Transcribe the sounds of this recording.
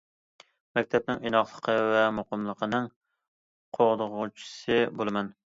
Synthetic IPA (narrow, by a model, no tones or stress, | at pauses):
mɛk̚ʲt̪ʰɛp̚nɪŋinɑχlˠəqʰəvɛmʊqəmlˠəqənɪŋ | qʰoʁd̪əʁʊt͡ʃʰi̥sɨbolˠɨmɛn